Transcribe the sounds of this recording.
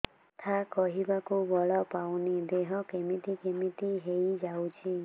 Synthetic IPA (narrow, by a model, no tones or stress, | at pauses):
t̪ʰakɔɦibakubɔɭɔpawnid̪eɦɔkemit̪ikemit̪iɦejd͡ʒawt͡ʃʰi